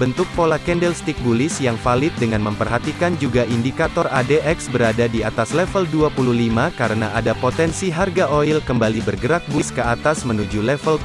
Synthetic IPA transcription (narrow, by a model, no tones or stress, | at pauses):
b̥ənt̪ʊk̚polakɛndɛlst̪ik̚bulɪsjaŋfalɪt̪̚dəŋanməmpərɦat̪ikand͡ʒuɡaʔindikat̪ɔradeʔɛksbəɾadadiat̪aslɛfəlduapululimakaɾənaʔadapot̪ɛnsiɦarɡaʔoilkəmbalibərɡəɾak̚buskəat̪asmənud͡ʒulɛfəl